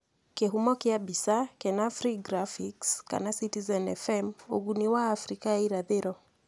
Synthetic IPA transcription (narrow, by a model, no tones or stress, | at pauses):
keɦumɔkiabisakɛnafɾiɡɾafikska̰nasitizɛnɛfɛmṵɡuniwaːfɾikaiɾaðɛɾɔ